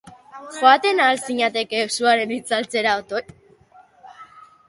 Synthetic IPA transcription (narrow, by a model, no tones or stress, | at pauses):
xoat̪e̞naːlsiɲat̪e̞keːsuaɾe̞nit͡salt͡se̞ɾaot̪oj